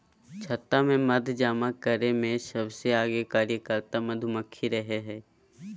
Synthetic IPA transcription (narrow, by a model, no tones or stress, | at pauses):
t͡ʃʰɐt̪ːamẽmɐd̪ʱd͡ʒaːmakəɾemẽsɐbseaːɡekaːɾjəkəɾt̪amɐd̪ʱʊməkʰːiɾɐɦeɦɛː